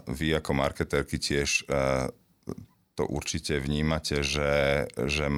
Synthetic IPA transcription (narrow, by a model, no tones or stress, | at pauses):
ʋiakɔma̰ɾkɛt̪ɛɾkicɪɛʃ | t̪ɔ̰ʔṵɾt͡ʃicɛʋɲiːmacɛʒɛʒɛm